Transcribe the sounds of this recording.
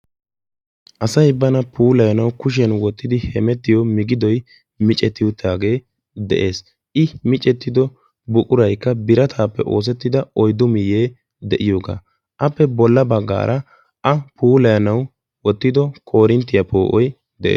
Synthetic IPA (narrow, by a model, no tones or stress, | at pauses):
ʔɐsɐjbɐnɐpʰuːlɐjɐnɐwkʊʃ̬ɛnwɔt̪ːɪd̪ɪhɛmɛt̪ːɪjɔmɪɡɪd̪ɔj | mɪt͡ʃʼɛt̪ːɪwʊt̪ːaːɡe̞ː | d̪ɛ̰ʔe̞ːs | ʔɪmɪt͡ʃʼɛt̪ːɪd̪ɔ | bʊkʼʊɾɐjkːɐbɪɾɐt̪ʰaːpːɛ̰ʔo̞̰ːs̬ɛt̪ːɪd̪ɐɔjd̪ʊmɪjeː | d̪ɛʔɪjo̞ːɡa̰ː | ʔɐpːɛbɔlːɐbɐɡːa̰ːɾʔɐ | ɐpʰuːlɐjɐnɐw | wɔt̪ːɪd̪ɔkʰo̞ːɾɪnt̪ːɪjɐpo̞ːʔɔj | d̪ɛ̰ʔḛː